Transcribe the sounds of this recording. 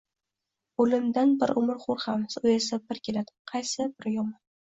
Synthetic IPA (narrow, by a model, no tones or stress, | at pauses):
olɪmd̪anbɪɾʊmɪɾχʊɾhamsʊesabɪɾkʲe̞lad̪̥ɪ̥qʰɑjsɪbɪɾjɒmɑn